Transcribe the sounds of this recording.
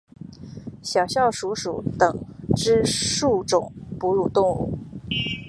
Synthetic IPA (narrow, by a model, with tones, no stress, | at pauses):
ɕjɑ˨˩ʊɕjɑ˥˩ʊʂu˧˥ʂṵ˨˥˦t̪ɤ˨˩ŋʈ͡ʂɻ̩˥ʂu˥˩ʈ͡ʂʊ̰˨˩˦ŋpu˧˥ɻu˨˩t̪ʊ˥˧ŋṵ˥˩